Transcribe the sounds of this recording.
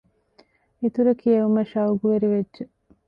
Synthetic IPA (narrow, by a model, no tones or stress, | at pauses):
it̪uɾɐkijɐʋumɐʃɐuɡuʋeɾiʋedːd͡ʒe